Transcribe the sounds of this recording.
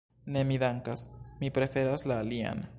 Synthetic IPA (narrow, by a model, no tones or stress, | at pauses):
ne̞midaŋkasmipɾe̞fe̞ɾaslaːlia̰n